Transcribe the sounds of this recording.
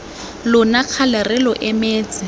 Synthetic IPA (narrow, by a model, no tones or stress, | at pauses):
lʊnaq͡χʰalɛrɪlʊʔɛmeːt͡sɪ